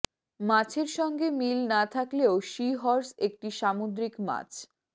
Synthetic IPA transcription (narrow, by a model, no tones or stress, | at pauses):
mat͡ɕʰeɾʃɔŋɡemilnat̪ʰakleoʃiɦɔɾsek̚ʈiʃamod̪ɾikma̰t͡ɕʰ